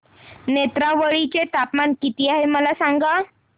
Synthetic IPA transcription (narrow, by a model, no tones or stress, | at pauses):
net̪ɾaʋəɭit͡ɕet̪apmankit̪iːaɦeməlasaŋɡa